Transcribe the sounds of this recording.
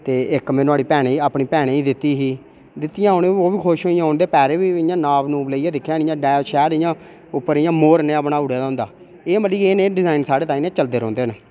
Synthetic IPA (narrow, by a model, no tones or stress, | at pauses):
t̪eːɪkmẽːnoaːɽiːpɛːɽ̃eːiːaːpɳiːpɛːɽ̃eːiːd̪ɪt̪ːiːɦiː | d̪ɪt̪ːɪjãːonẽoːʋiːkʰoːʃɦoːijãːʊnd̪eːpɛːɾeːʋiːɪjãːnaːʋnũːbləiːãːd̪ɪkʰːjãːnɪ̃jãːɖaːoːt͡ʃʰɛːɾɪjãː | ʊpːəɾijãːmoːɾnẽːəpnaːʊɽeaːd̪ãːnd̪aː | eːməliːeːneːɖɪzaːɪnsaːɽeːt̪aːĩːnẽːt͡ʃəld̪eːɾɔ̃ːnd̪eːneː